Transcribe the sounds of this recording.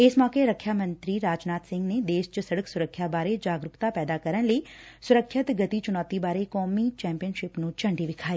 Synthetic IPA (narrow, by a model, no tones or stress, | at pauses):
ɪsmɔːkeɾəkʰːjamə̃nt̪ɾiɾaːd͡ʒnaːt̪sɪ̃ŋɡned̪eːʃt͡ʃəsɐɽəksʊɾəkʰːjabaːɾed͡ʒaːɡɾʊkt̪apɛːd̪akɐɾənləi | sʊɾəkʰʃɪt̪ɡɐt̪it͡ʃʊnaːt̪ibaːɾekɔːmit͡ʃɛ̃ːmpijənʃɪpnũt͡ʃɐ̃ɳɖiʋɪkʰaːiː